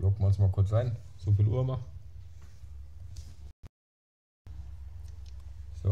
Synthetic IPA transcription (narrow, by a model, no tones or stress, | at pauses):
lok̚məʊnsmaːlkʰʊɐt͡sʁaɪnz̥ofiːlʔṵːɐma | so